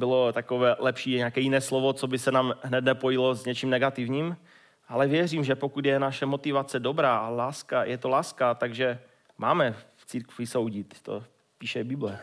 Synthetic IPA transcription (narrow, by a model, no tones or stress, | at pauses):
bɪlot̪akovɛːlɛpʃiːɲɛakɛːjɪnɛːslovot͡sobɪsɛnaːmɦnɛt̪nɛpojɪlozɲɛt͡ʃiːmnɛɡat̪ɪvɲiːm | ʔalɛvjɛriːmʒɛpokut̪jɛnaʃɛmot̪ɪvat͡sɛdobɾaːʔalaːskajɛt̪olaːskat̪aɡʒɛ | maːmɛft͡siːɾkvɪso̞wɟɪt̪t̪o̰ | piːʃɛbɪblɛ